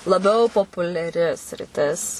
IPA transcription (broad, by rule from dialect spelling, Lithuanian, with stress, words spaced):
lˠɐˈbʲɛʊ poːpʊlʲɛˈrʲɪ sʲrʲɪˈtʲɪs